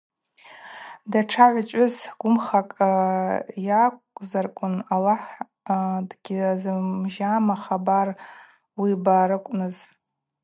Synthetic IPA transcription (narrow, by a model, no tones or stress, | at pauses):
daʈ͡ʂʰaʕʷat͡ʃʷʼʊzɡ̥ʷʊmχakʼ | jakʷʼzarkʷʼʊnalaħ | dɡʲizɨʒamaχabar | wibaːɾɨkʷʼnɨz